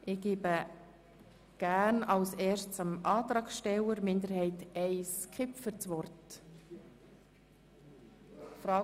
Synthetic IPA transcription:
ʔɪɡ̥iːbə | ɡ̥æːɾnɑlsɛːʃt͡sɑmɑːt̪ɾɑːkʃtɛwəɾmɪnd̪əɾhɛɪtɛɪskʰɪpfəɾt͡sʋɔrt | fɾɑː

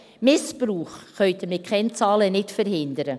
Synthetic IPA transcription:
mɪspɾuːχːœʏtʰəmɪkʰɛnt͡sɑːlənɪtfəɾɦɪndəɾə

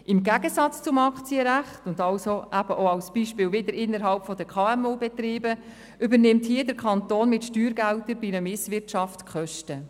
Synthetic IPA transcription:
ɪmɡæɡəsɑt͡st͡sʊmɑkt͡siəɾæχtʊndɑlsoʔæb̥əʔoɑlsb̥iʃpɪːlvɪdəɾɪnːəɾɦɑlpfɔdəkχɑːɛmuːbɛt̪ɾiːbə | ʏbəɾnɪmthiədəɾkʰɑntoːnmɪtʃtyːɾɡæltəɾbinəmɪsʋɪrtʃɑftkʰχœʃtə

